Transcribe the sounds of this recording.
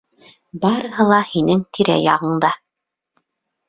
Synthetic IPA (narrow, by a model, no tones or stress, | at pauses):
bɑɾɤ̆ɦɤ̆lˠɑhinɘŋt̪ʰiɾæ̰jɑʁɤ̆ɴd̪ɑ